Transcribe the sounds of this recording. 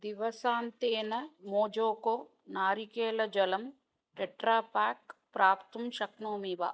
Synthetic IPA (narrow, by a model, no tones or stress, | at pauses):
d̪iʋɐsaːnt̪eːnɐmoːd͡ʒoːkoː | naːɾikeːlɐd͡ʒɐlɐm | ʈeʈɾaːpaːk̚pɾaːpt̪umʃɐknoːmiʋa̰ː